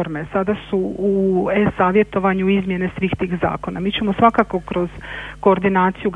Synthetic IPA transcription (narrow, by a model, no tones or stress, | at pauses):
oɾme̞sad̪asuuesaːʋje̞t̪o̞ʋaɲuizmje̞ne̞sʋiːxt̪iːxza̰ːko̞na̰miːt͡ɕe̞mosʋakako̞kɾo̞zko̞ːɾd̪inaːt̪sijuɡ